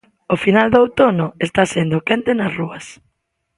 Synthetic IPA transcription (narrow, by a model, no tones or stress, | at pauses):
ofinald̪owt̪onʊest̪asend̪okent̪enɐsruɐs